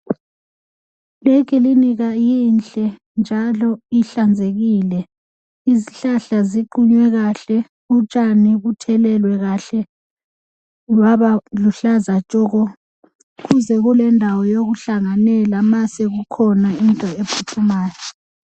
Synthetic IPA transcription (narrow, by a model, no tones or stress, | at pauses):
lɛk̬ʼiliniɣajinɬʼɛ | nd͡ʒʱalɔiɬand͡zʱeɣiːlɛ | iziɬaɬaziǃuɲwɛɣaɬɛ | ut͡ʃʼaniɣutʰɛlɛlwɛɣaɬɛ | lwaβaluɬazat͡ʃʼɔɣɔ | ɣuzɛɣulɛndʱawɔjoɣuɬaŋanɛlamasɛɣukʰɔnaintʼɔepʰutʰumaːjɔ